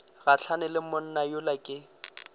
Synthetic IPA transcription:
ɣat͡ɬʰanɪlɪmʊn̩najʊlakʼɪ

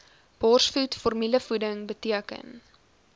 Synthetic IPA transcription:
b̥ɔrsfutfɔrmiləfudəŋbətiəkə̰n

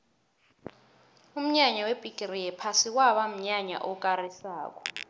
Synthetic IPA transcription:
um̩ɲaɲawebʱʼikʼiriɛpʰasikwaɓam̩ɲaɲa̰ʔɔk̬ʼarisaːk̬ɔ

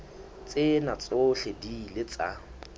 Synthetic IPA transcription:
t͡sʼɪnat͡sʼoɬɛdilɪt͡sʼa

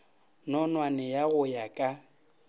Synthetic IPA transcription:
nɔnwanɛjaɣʊjakʼa

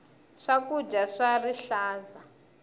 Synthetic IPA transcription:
ʂakud͡ʒaʂariɬaːza

